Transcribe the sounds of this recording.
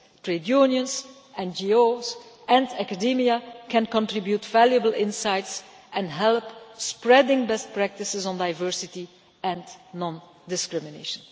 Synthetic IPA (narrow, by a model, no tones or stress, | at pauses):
tɹedjunjə̃ns | ɛ̃nd͡ʒioz | ɛ̃ndɛkadimiakɛ̃nkɔ̃ntɹɪbjutv̥æljəbəlɪ̃nsajts | ɛ̃nɦɛlˠpspɹɛdɪ̃ŋbɛst̚pɹæk̚tɪsɪzɔ̃ndaɪvɜɹsɪti | ɛ̃nnɔ̃n | dɪskɹɪmɪneʃə̃n